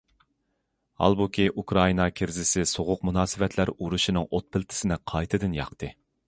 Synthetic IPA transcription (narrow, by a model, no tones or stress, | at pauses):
hɑ̰lˠbukʲʰiʔukɾɑinɑkʲʰɪɾzɪsɪsoʁʊqmunɑːsɨvɛt̪ʰlæɾuɾuʃinɨŋʔot̪̚pʰɪlt̪ʰɪ̥sɪnɪqʰɑjt̪ʰɨd̪ɪnjɑ̰qt̪ʰɨ